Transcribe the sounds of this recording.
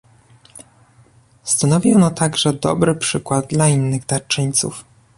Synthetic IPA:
st̪anɔvʲiɔnat̪aɡʐɛd̪ɔ̰bɾɘpʂɘkwad̪̚d̪lainːɘɣd̪at͡ʂɘɲt̪sṵf

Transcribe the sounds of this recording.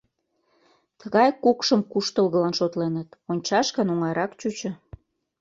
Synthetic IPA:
t̪əɣɑjkukʃəmkuʃt̪əlɣəlɑnʃot̪lenət̪onʲt͡ɕɑʃkənuŋɑjɾɑkt͡ɕut͡ɕə̆

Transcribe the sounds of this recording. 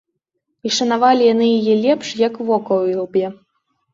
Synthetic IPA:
iʂɐnavalʲijanɨjijɛlʲɛpʂjakvɔkɐwilˠbʲjɛ

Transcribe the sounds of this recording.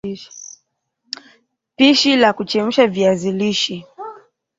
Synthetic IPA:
piʃilakut͡ʃɛm̩ʃaviaziliʃi

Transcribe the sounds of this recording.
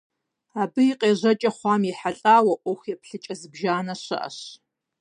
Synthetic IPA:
aːbɨiqʼeːʑɐt͡ʃʼɐχʷɑːmjiħaɬʼaːwɐʔʷʊxʷjɛpʰɬɨt͡ʃʼɐzɨbʒaːnɐɕɐ̰ʔɐ̰ɕ

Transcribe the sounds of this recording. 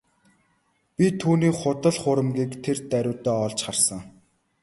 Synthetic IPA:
pʲit̪ʰuːniːχʊt̪ə̆ɮχʊɾə̆mɡiːkt̪ʰert̪æɾʲʊːt̪ɔːɔɮt͡ɕχarsə̆ŋ

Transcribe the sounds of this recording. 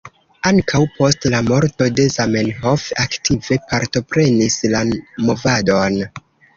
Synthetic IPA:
aŋkʰawpʰo̞stlamo̞ɾto̞de̞zamenhofaktʰive̞paɾto̞pɾe̞nislanmo̞vado̞n

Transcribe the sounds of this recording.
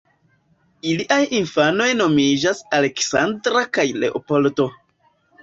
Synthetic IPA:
iliʔajinfano̞jno̞mid͡ʒasale̞ksandɾakajle̞̰ʔo̰po̞lto̞

